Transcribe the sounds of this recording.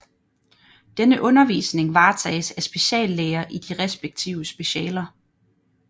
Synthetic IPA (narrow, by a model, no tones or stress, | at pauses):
d̥enəʔɔ̽nɐʋḭːsne̝ŋʋɑ̈ːt͡sʰɛ̰ːɪsæsb̥e̝ɕɛ̰ːlːeːɐʔid̥iʁɛsb̥eɡ̥̚t͡sʰiʊəsb̥e̝ɕɛːlɐ